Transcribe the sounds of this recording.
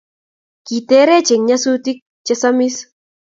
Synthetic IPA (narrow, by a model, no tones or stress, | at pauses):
kit̪eɾet͡ʃeŋɲasut̪ik̚t͡ʃesamis